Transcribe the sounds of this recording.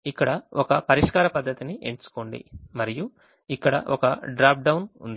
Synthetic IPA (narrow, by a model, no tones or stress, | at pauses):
ikːɐɽɐɔkɐpɐɾiʂkaːɾɐpɐd̪ʱːɐt̪iniʔeɲt͡ʃu̥koːɳɖḭmɐɾiju | ikːɐɽɐ̰ʔɔkɐɖɾaːp̚ɖɐwunṵnd̪i